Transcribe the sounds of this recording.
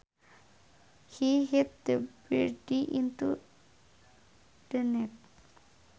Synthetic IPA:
hiɦɛt̪̚d̪əbidiʔĩntṵ | d̪ənɛt̚

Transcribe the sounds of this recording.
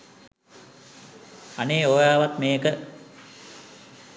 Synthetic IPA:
aneːoːjaːʋat̪meːkə

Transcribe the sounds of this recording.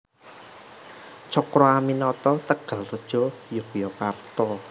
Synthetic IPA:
t͡ʃɔkɾɔaminɔt̪ɔt̪əɡ̥a̤lrəd̥ʒ̥ɔ̤jɔkujɔkart̪ɔ

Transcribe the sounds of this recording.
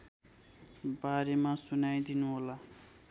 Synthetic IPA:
baɾemasunajd̪inuɦola

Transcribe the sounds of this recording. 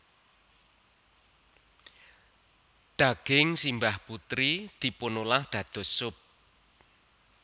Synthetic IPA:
d̪̥aɡ̥ɪŋsimbahput̪ɾid̪̥i̤ponulahd̪̥ä̤d̪̥ɔ̤sʊp̚

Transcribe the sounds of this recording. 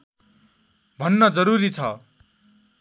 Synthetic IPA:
bʱʌnːʌd͡zʌɾuɾit͡sʰʌ

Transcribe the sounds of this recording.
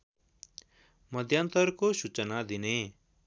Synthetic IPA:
məd̪ʱjaːnt̪əɾkosut͡ʃənad̪ine

